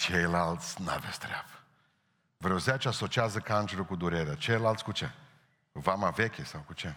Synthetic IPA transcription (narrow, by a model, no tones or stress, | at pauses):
t͡ʃejlalt̪sʲna̰vest̪ɾeab̥ə | vɾoziat͡ʃeaso̞t͡ʃiazəkant͡ʃeɾukud̪uɾe̞ɾeat͡ʃejlalt̪sʲkut͡ʃe | vamave̞kʲesawkut͡ʃe